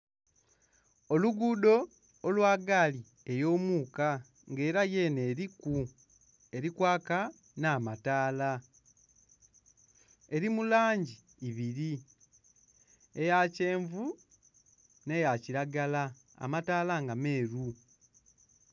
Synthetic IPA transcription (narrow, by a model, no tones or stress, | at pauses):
o̞luɡuːdo̞ː | lwaːɡaːli | e̞jo̞ːmuːka | ŋɡe̞ːɾaje̞ːneːɾiku | e̞ɾikwaːka | naːmataːla | e̞ɾimulaːɲɟiː | βiɾi | ejace̞ːɱvu | ne̞jaciɾaɡala | a̰mataːlaŋɡame̞ːɾu